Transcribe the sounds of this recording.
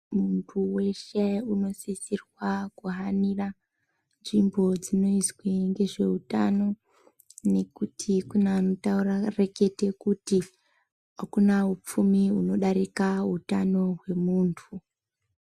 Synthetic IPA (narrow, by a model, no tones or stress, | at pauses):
muntʰuwe̞ʃe̞uno̞sisirwakuɦanira | nʐimbo̞d͡zino̞izweŋɡe̞ʐe̞̰utano̞ | ne̞kutʰikunaːno̞taurareke̞te̞kuti | ɦakunaup͡fumiuno̞ɗaɾikaɦutano̞ɦwe̞muːntʰu